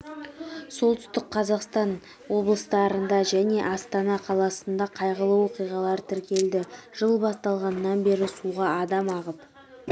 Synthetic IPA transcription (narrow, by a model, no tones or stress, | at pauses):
so̞lˠt̪ʰʏ̥st̪ɪkqʰɑzɑqst̪ɑn | wo̞blˠəst̪ɑɾənd̪ɑʒæne̞ʔɑst̪ɑnɑqʰɑlˠɑsənd̪ɑqʰɑjʁəlˠəwo̞qijʁɑlˠɑɾt̪ʰɪɾkʲe̞ld̪ɪʒ̥əlˠbɑst̪ɑlˠʁɑnəːɑnbe̞ɾɪsuʁɑɑd̪ɑmɑʁəp